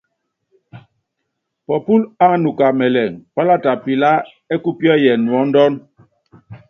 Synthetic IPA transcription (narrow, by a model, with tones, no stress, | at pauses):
pɔ˨pu˦la˦nu˨ka˨mɛ˨lɛ˨ŋpa˦la˦ta˨pi˨la˦ | ɛ˦ku˦pjɔ˦jɛ˨nwɔ˨˦n˦dɔ˦n